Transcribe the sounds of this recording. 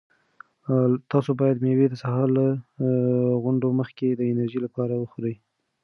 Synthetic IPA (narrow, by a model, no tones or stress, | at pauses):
t̪ɑsobɑjad̪mewed̪əsaɦɑɾla | ɣʊɳɖoməxked̪əɪnaɾʒilapɑɾawəxoɾəj